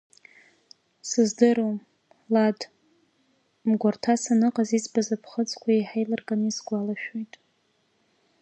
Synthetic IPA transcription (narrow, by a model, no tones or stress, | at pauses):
sɨzdɨɾom | lad | mɡʷartʰasanɨqʼazit͡sʰʼbazapʰχət͡sʰʼkʷʰaiħajlarɡʼanisɡʷalaʃᶣojtʼ